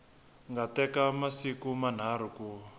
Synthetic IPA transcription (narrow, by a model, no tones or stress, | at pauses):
ŋɡatɛkamasikuman̤aɾ̤uku